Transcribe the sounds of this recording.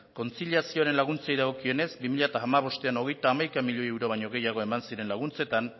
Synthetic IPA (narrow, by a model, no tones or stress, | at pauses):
ko̞nt͡siliasio̞aɾe̞nlaɣ̞unt͡sejðaɣ̞o̞kie̞ne̞zbimiʎat̪aːmaβo̞st̪e̞ano̞ɣe̞jt̪aːmajkamiʎoewɾo̞β̞aɲo̞ɣ̞e̞jaɣ̞o̞e̞mansiɾe̞nlaɣunt͡se̞t̪an